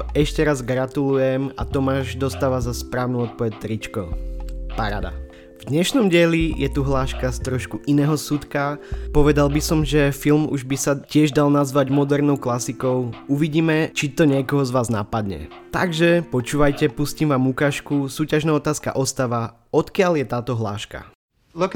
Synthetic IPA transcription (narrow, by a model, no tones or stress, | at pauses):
ɛʃcɛɾazɡɾat̪ulujɛma̰t̪ɔmaːʒd̪ɔst̪aːʋazaspɾaːʊnuɔt̪̚pɔʋɛc̚t̪ɾit͡ʃkɔpaɾa̰d̪a̰ | vd̪ɲɛʃnɔmɟɪɛlijɛt̪uɦlaːʃkast̪ɾɔʃkuʔinɛːɦɔsut̪kapɔʋɛd̪albisɔmʒɛfilmṵʒbisacɪɛʒd̪alnazʋaɟmɔd̪ɛɾnɔʊklasikɔʊuʋiɟiːmɛt͡ʃit̪ɔɲɪɛkɔɦɔzʋaːznapad̪ɲɛ̰t̪a̰ɡʒɛpɔt͡ʃuːʋajcɛpuscimʋaːmukaːʃkusuːcaʒnaɔt̪aːska̰ʔɔst̪aʋa | ɔt̪kɪaljɛt̪aːt̪ɔɦla̰ːʃka̰ | lk